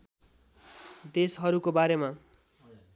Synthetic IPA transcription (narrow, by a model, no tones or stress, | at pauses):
d̪esɦʌɾukobaɾema